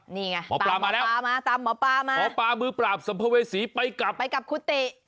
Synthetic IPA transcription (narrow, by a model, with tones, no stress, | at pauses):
niː˧˩ŋa˧mɔ̰ː˨˦˧plaː˧maː˧lɛː˦˥waː˧maː˧t̪aː˧mːɔː˨˦paː˧maː˧mɔː˨˦paː˧mɯː˧pɾaː˨˩p̚sa˨˦mpʰa˧weː˧siː˨˦pa˧jka˨˩p̚pa˧jka˨˩p̚kʰuː˧˥t̪eː˨˩ʔ